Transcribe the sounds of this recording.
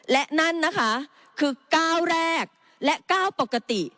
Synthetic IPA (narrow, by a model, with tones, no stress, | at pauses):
lɛ˦˥ʔna˦˥˩nːa˦˥kʰa˦˥ | kʰɯː˧kaː˥˩wɾɛː˥˩k̚ | lɛ˦˥ʔkaː˥˩wpo˨˩kːa˧t̪i˨˩